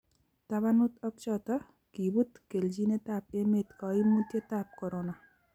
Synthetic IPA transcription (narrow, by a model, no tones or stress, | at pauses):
t̪abanut̪ək̚t͡ʃat̪ə | kibut̪keld͡ʒinet̪apemet̪kaimut̪jet̪ap̚kɔɾona